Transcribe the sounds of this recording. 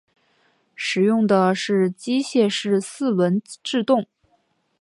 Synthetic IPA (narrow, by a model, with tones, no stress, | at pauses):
ʂɻ̩˨˩jʊ˥˩ŋd̪ə˩ʂɻ̩˥˩t͡ɕi˥ɕjɛ˥˧ʂɻ̩˥˧sɹ̩˥˩wə˧˥nʈ͡ʂɻ̩˥˧t̪ʊ˥˩ŋ